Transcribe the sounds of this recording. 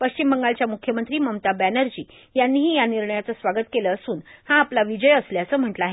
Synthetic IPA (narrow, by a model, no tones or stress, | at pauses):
pəɕt͡ɕimbəŋɡalt͡ɕjamukʰjəmənt̪ɾiːməmt̪abænəɾd͡ʑiː | janːiːɦiːjaniɾɳəjat͡səsʋaɡət̪keləːsuːnhãːplaʋid͡ʑəjəsljat͡səm̤əʈləaːɦe